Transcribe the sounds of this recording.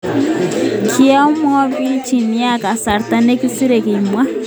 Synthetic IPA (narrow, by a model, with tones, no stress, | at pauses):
kʰi˦a˦u˦mɔ˦βi˦t͡ʃi˨ni˦a˦ka˨sa˨ɾt̪a˦ne˦ki˦si˦ɾe˨ki˨mwa˦